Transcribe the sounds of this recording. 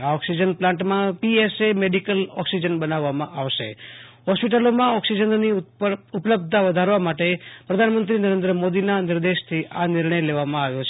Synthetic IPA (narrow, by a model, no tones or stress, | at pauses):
aɔksid͡ʒənplãɳʈmãpiesemeɖikəlɔksid͡ʒənbənaʋːamãʔaʋʃḛɦɔspiʈalomãɔksid͡ʒənniupələb̚d̪ʱaʋəd̪ʱaɾʋamaʈepɾəd̪ʱanmə̃nt̪ɾinəɾẽnd̪ɾəmod̪inanɪɾd̪eʃt̪ʰiʔanɪɾɳ̃əjleʋamãaʋjot͡ʃʰ